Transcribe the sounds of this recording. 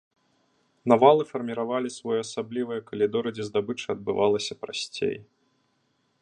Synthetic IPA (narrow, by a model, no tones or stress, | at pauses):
navalˠɨfɐrmʲiɾavalʲisvɔjɛɐsablʲivɨjɛkɐlʲid̪ɔɾɨd͡zʲɛzd̪abɨt͡ʂɨɐd̪̚bɨvalˠɐsʲɐpɾasʲt͡sʲḛj